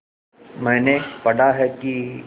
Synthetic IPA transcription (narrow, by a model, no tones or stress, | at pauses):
mɛ̃ːnepɐɽaɦɛki